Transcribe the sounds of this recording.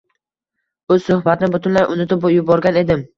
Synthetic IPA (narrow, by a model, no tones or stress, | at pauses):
ɵz̥sʊhbat̪nɪbʊt̪ʰʊnlajʔʊnɪt̪ʰɪpjʊbɒɾɡʲane̞d̪ɪm